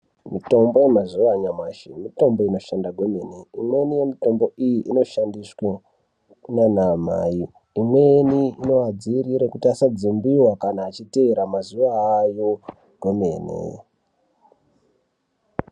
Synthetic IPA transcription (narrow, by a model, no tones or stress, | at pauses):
mito̞mbo̞je̞mazuʋaɲamaʃemito̞mbo̞ino̞ʃandaɡʱweme̞ne̞imwe̞nije̞mito̞mbo̞ʔijiʔino̞ʃandiswe | nanama̰jiː | mwe̞niino̞ad͡ziːɾiɾekutiasad͡zimbiwakanaːt͡ʃite̞eɾamazuʋaːjo̞ | ɡ̥ʱemeːnḛ